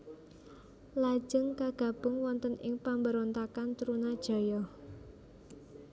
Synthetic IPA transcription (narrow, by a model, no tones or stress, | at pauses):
lḁʒ̥ə̤ŋkaɡ̥ä̤b̥ʊ̤ŋwɔnt̪ənʔɪŋpambəɾont̪akant̪ɾunad̥ʒ̥ɔ̤jɔh